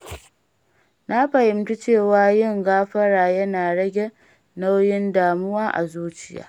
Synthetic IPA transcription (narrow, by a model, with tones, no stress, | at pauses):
na˦ɸɐ˨jɪ˨mkʲi˦t͡ʃeː˦˨waː˦jɪ˦˨ŋɡaː˦ɸɐ˦ɽaː˨jɐ˦naː˨ɽɐ˦ɡʲe˨ | na˦wjɪ˦ndaː˨mʊ˦waː˦ʔa̰˨zuː˦t͡ʃɪ˨˦ja̰ː˦